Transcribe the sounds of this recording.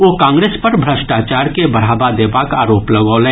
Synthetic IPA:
ʋoːkãːŋɡɾeːspɐɾbʱɾəʃʈaːt͡ʃaːɾkebɐɽ̤aːbad̪eːbaːka̰ːɾoːplɐɡoːlɛ̃ː

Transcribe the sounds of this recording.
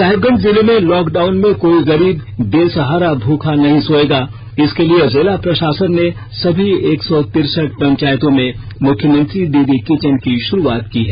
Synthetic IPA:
saːɦɪbɡə̃nd̪zɪlemẽlɔːkɖaːʊnmẽkoːiɣɐɾiːbd̪eːsɐɦaːɾabʱuːkʰanɐɦĩsoːeːɡaː | ɪskeliezeːlapɾɐʃaːsənːe | sɐbʱieːksɔt̪ɪɾsəʈ̚pɐ̃ɲt͡ʃaːjt̪õmẽ | mʊkʰːjəmɐ̃nt̪ɾid̪iːd̪ikɪt͡ʃənkiʃʊɾuaːt̪kiɦɛː

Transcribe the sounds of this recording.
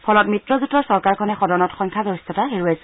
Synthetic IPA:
pʰɔlɔtmitɹɔzutɔɹsɔɹkaɹkʰɔnɛxɔdɔnɔtxɔŋkʰazɔistʰɔtaɦiɹuasɛ

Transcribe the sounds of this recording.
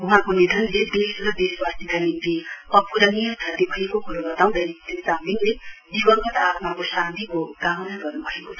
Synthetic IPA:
uɦãkonid̪ʱʌnled̪esɾʌd̪eswast̪ikanint̪iʌpuɾʌnijʌt̪ʰʌt̪ibʱʌɦekokuɾobʌt̪aw̃d̪ʱeɾit̪esabiŋled͡zibʌŋɡʌt̪at̪makosãnt̪ikoɡanaɡʌrnubʱʌekot͡sʰʌ

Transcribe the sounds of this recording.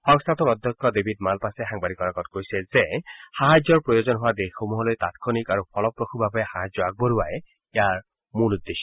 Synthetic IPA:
hɔŋst̪ʰat̪ɔɾɔd̪ʱjɔkːɔd̪ebʱidmalpaseɦaŋbaɾikɔɾaɡɔtkojsɛzehaɦad͡ʒɔɹpɹɔjozɔnɦoad̪exomuɦɔlojt̪at̪kʰɔnikaɹupʰɔlɔpɹokʰubabɔehaɦad͡ʒjɔaɡ̚bɔɾuaje | aɹ | mulud̪ːeʃɔ

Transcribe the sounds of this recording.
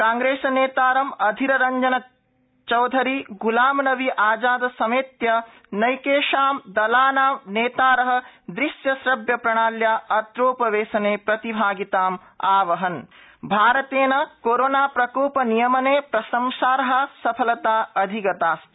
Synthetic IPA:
kaːŋɡɾeːsɐneːt̪aːɾɐmɐd̪ʱiɾɐɾɐɲd͡ʒɐnɐ | t͡ʃɐwd̪ʱɐɾiɡulaːmnɐʋiʔaːd͡ʒaːd̪ɐsɐmeːt̪jɐ | nɐjkeːʃaːmd̪ɐlaːnaːʋneːt̪aːɾɐɦɐ̆d̪ɾiʃjɐsɾɐbjɐpɾɐɳ̃aːljaːʔɐt̪ɾoːpɐʋeːsɐneːpɾɐt̪ibʱaːɡit̪aːm | aːʋɐɦɐn | bʱaːɾɐt̪eːnɐkoːɾoːnaːpɾɐkoːpɐnijɐmɐneːpɾɐsɐmsaːɾɐɦɐsɐpʰɐlɐt̪aːɐd̪ʱiɡɐt̪aːst̪

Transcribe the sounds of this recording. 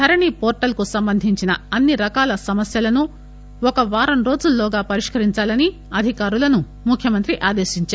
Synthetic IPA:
t̪ʰɐɾɐɳiːpoːɾʈɐlkusɐmbɐnd̪ʱiɲt͡ʃinɐ̰ɐnːiɾɐkaːlɐsɐmɐsjɐlɐnu | ɔkɐʋaːɾɐmɾo̞ːd͡ʒulːoːɡaːpɐɾiʂkɐɾiɲt͡ʃaːlɐni | ɐd̪ʱikaːɾulɐnu | mukʰjɐmɐnt̪ɾiʔaːd̪eːʃiɲt͡ʃaːɾ

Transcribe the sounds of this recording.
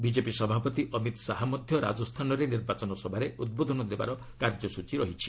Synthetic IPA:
bid͡ʒepisɔbʱapɔt̪iʔɔmit̪saɦamɔd̪ʱjɔɾa̰d͡ʒɔst̪ʰanɔɾeniɾbat͡ʃɔnɔsɔbʱaɾeud̪̚bod̪ʱɔnɔd̪eba̰ɾɔ | kaɾd͡ʒɔsut͡ʃiɾɔɦit͡ʃʰi̥

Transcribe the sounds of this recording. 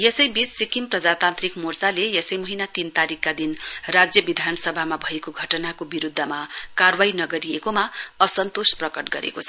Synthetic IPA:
jesʌjbisːikimprʌd͡zat̪ant̪rikmort͡salejesʌjmʌɦinat̪int̪aɾikːad̪inrad͡zjʌbid̪ʱanʌsʌbʱamabʱʌekoɡʱʌʈʌnakobiɾud̪ʱːʌmakarwainʌɡʌɾijekomaʌsʌnt̪osprʌkʌʈɡʌ̰ɾḛkot͡sʰʌ

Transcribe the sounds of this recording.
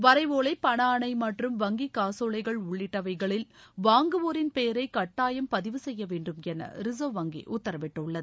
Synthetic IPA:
ʋɐɾɐɪʋoːɭɐɪpɐɳaːɳɐɪmɐʈrɯmʋɐŋɡikaːsoːɭɐɪɣɐɭʊɭːɪʈːɐʋɐɪɣɐɭɪlʋaːŋɡɯʋoːɾɪnpeːɐɾɐɪkɐʈːaːjɐmpɐðɪʋɯsɛjːɐʋeːɳɖɯmɛnːɐ̰ɾɪsoːʋɐŋɡḭʔʊt̪ːɐɾɐʋɪʈːɐɯɭːɐðɯ

